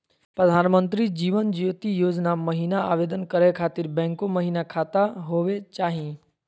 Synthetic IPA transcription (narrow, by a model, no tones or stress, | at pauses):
pɾəd̪ʱaːnmə̃nt̪ɾid͡ʑiːʋənd͡ʒiʋt̪ijoːd͡ʒnamɐɦiːnaaːʋeːd̪ənkəɾekʰaːt̪ɪɾbɛ̃ːŋkoməɦiːnakʰaːt̪aɦoːʋet͡ɕaːɦĩ